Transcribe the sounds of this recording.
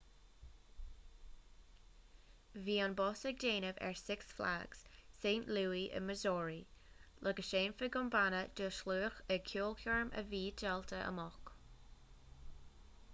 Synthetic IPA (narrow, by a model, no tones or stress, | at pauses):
viːənbɔsəɡ̚deːnəvɛ̰ɹsɪksfla̰ɡ̥z̥sẽːntluːiʔə̰məzɔːɹi | lʔəɡəʃẽːnfəɡʊmbanəd̥əʃluːxəkʰjuːlˠkʰjɔɹmʔə̰viːdɛltʰəʔə̰mɔk